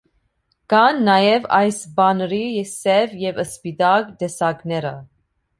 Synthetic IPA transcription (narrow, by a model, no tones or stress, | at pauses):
ɡ̥ɑnːɑjɛvɑjsbɑnəɾisɛvjɛvəspid̪ɑkd̪ɛsɑɡnɛɾə